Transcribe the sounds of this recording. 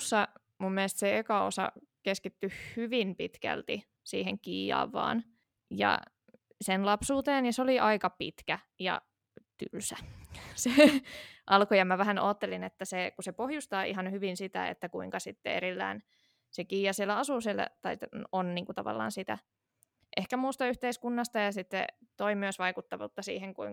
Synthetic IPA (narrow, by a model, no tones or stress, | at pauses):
sːɑ | mumːielest̪seekɑosɑ̰ | keskit̪ːyhyʋimpit̪kæ̰lt̪i | sḭːheŋkiːjɑ̰ːʋːɑ̰ːn | jɑ̰ | senlɑpsuːt̪eːnjɑsoliʔɑikɑpḭt̪kæ | jɑ̰ | t̪y̰lsæse | ʔɑlkujɑmæʋæɦænoːt̪ːelinet̪ːæsekusepohjust̪ɑːʔiɦɑnhyʋinsit̪æ̰ḛt̪ːækuiŋkɑsit̪ːḛeɾilːæ̰ːn | sekiːjɑsielːæɑsuːsielːæ̰t̪ɑionniːŋkut̪ɑʋɑ̰lːɑ̰ːnsit̪æ̰ | ʔehkæmuːst̪ɑyht̪eiskunːɑst̪ɑjɑsit̪ːḛt̪oimyøsʋɑikut̪ːɑʋṵlt̪ːɑsḭːheŋkuiŋ